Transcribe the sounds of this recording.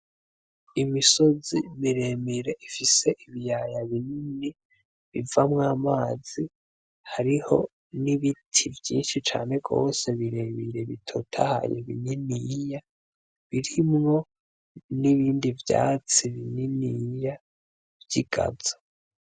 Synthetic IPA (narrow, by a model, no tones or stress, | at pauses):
imisozimiɾemiɾeʔifise̞ʔiβijajaβinini | βivamŋaːmaːz̥i | haɾiho̞ | niβitʰivjiːnʃit͡ʃa̰ːne̞ɡo̞̰ːse̞βiɾemiɾe̞βitʰotʰaha̰jo̰βḭɲinija | βiɾimŋo̞ | niβiːndivja̰ːt͡siβininija | vjiɡ̥a̰zo̥